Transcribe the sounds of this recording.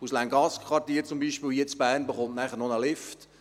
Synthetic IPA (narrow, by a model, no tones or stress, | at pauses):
uslæŋɡɑskʰʋɑrtiːɾt͡sʊmbiːʃpɪːljɛt͡sb̥æːrnbəχʊntnæχəɾnonəlɪft